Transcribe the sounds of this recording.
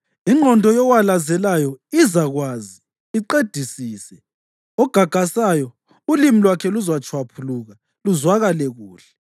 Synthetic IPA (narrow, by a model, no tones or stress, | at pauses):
iŋ͡ǃʱɔndʱɔjɔwalazɛlajɔizaɣwaːzi | iǃed̥ʱisiːsɛ | ɔɡ̥ʱaɡ̥ʱasajɔ | ulimilwakʰɛluzwat͡ʃʰʼwapʰuluɣa | luzwaɣalɛɣuːɬɛ̥